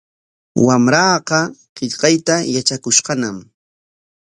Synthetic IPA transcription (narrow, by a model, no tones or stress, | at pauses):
wamɾɑːqɑqɪʎqɑjt̪ajat͡ʃakʊʃqɑnam